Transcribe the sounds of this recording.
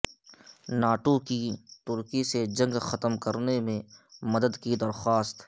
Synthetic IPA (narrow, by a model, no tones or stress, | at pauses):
naːʈokit̪ʊɾkised͡ʒɐ̃ŋɡxɐt̪əmkɐɾnemẽmɐd̪əd̪kid̪ɐɾxaːst̪